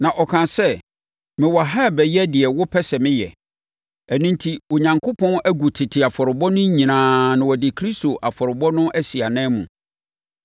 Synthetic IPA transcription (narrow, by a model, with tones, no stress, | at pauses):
nã˨ʔɔ˨kʰã˨sɛ˦˨ | mɪ̃˨wa˨ɦa˦˨bɛ˨jɛ˦dɪ˨ɛ˨wʊ˦pʰɛ˦sɛ˨mɪ̃˦jɛ˨ | æ˨nũ˦ntʰi˦o˨ɲã˨ŋkʰʊ˦pʰɔ̃˦næ˦ɡu˨tʰɪ˨tʰɪ˨a˨fɔ˨ɾɪ˨bɔ˦nʊ̃˦ɲĩ˨nãː˨nʊ̃˨wɔ˨dɪ˨kʰɾi˦sto˨ʔa˨fɔ˨ɾɪ˨bɔ˦nʊ̃˦ʔæ˦si˨a˨nɛ̃˦mṵ̃˨